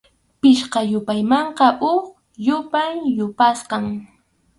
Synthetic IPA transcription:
pɪʃqɑjʊpajmɑɴqɑʔʊχ | jʊpajjʊpasqɑŋ

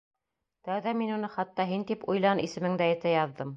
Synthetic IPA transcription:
t̪æwðæminunɤχɑt̪ːɑɦint̪ipujlˠɑnisɘ̆mɘ̆ŋd̪æɘ̆t̪æjɑðːɤm

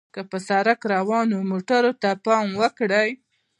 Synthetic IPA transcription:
kəpəsaɾakɾawɑnomoʈaɾot̪apɑmwəkɽəj

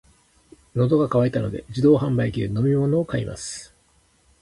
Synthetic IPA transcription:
no̞d̪o̞ɡakaβait̪ano̞d̪e̞̰d͡ʑid̪o̞ːɦãmbaikʲiɯno̞mʲimo̞no̞ːkaimʔa̰sɨ̥

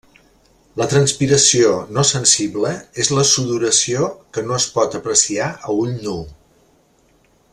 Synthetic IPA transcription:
lət̪ɾənspiɾəsionosənsiβləezləsuðuɾəsiokənoəspɔt̪əpɾəsiaʔəuʎnu

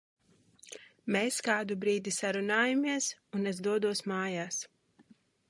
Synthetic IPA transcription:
meskaːd̪ubɾiːd̪isaɾunaːjamiɛsunɛzd̪uɔd̪uɔsmaːjaːs

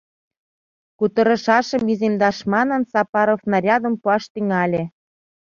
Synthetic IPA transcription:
kut̪ɤ̆ɾɤ̆ʃɑʃə̆mizemd̪ɑʃmɑnə̆nsɑpɑɾofnɑɾʲɑd̪ə̆mpuɑʃt̪yŋɑlʲĕ

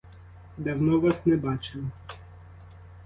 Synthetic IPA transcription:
d̪awnɔʋasnɛbɑt͡ʃɪw

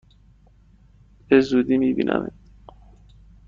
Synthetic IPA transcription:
b̥ezuːd̪iːmiːbḭːnʔæ̰mit̪

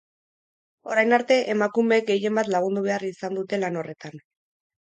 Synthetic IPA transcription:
o̞ɾajnaɾt̪e̞ʔemakumek̚ɡe̞je̞mbat̪laɣ̞und̪uβe̞arisand̪ut̪e̞lano̞re̞t̪an

